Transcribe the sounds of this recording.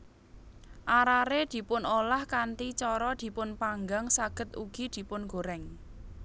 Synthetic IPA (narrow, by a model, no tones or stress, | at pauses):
ʔaɾaɾed̪̥i̤pʊnolahkant̪it͡ʃɔɾɔd̪̥i̤pʊnpaŋɡaŋsaɡ̥ə̤t̪̚ṵɡ̥i̤d̪̥i̤pʊnɡ̥o̤ɾɛŋ